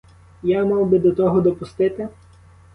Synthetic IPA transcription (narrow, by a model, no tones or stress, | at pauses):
jamɑwbɪd̪ɔt̪ɔɦɔd̪ɔpʊst̪ɪt̪ɪ